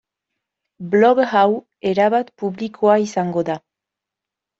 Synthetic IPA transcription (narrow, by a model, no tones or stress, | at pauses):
bloɣɣaw | eɾaβat̪puβlikʰoaisaŋɡoða